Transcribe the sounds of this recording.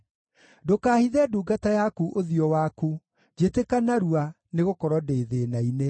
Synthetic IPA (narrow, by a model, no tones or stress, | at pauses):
dokaːhiðɛduːɡatajakuʔoðiɔwaku | d͡ʑetekanaɾua | neɣokɔɾɔdeːðeːnaine